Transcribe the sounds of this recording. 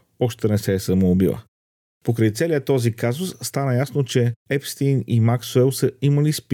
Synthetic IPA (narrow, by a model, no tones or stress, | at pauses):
ɔʃt̪ɛnɛsɛːsəmoːbilˠə̰ | pokɾəjt̪sɛliət̪ɔzikazʊsːt̪anəjasnot͡ʃɛɛfst̪inimaksuɛlˠsəiməlisp